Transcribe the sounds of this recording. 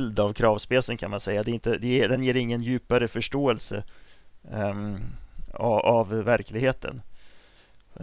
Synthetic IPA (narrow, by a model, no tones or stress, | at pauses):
ld̪avkʰɾɑːvspeːsənkʰanmansɛjːad̪ɛɪnt̪əd̪ɛd̪ɛnjeːɾɪŋːənjʉ̟ːpaɾəfœʂʈoːɛlsə̰ | avːæɾkʰlɪɡheːt̪ʰə̰n